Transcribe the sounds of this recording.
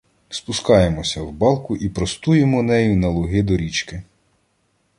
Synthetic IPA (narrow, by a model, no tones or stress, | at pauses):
spʊskɑjemɔsʲɐwbɑlˠkʊʔipɾɔst̪ujemɔnɛjʊnɐlˠɔɦɪd̪ɔɾʲit͡ʃkɪ